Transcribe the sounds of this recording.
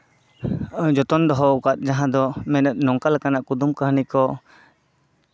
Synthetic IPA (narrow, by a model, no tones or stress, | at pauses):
d͡ʒɔt̪ɔnd̪ɔɦɔukat̪̚ˀd͡ʒaɦãd̪ɔmɛnɛt̪̚ˀnɔŋkalɛkanaʔkud̪umkaɦnikɔ